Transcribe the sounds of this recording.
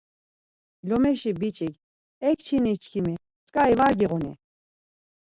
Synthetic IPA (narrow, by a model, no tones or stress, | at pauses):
lɔmɛʃibit͡ʃʼiɡ | ɛkt͡ʃʰinit͡ʃʰkʰimi | t͡sʼkʼaivaɾɡiʁunḭ